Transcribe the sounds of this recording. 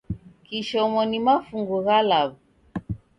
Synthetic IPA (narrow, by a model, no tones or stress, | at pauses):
kiʃɔmɔnimafuŋɡuɣalaβu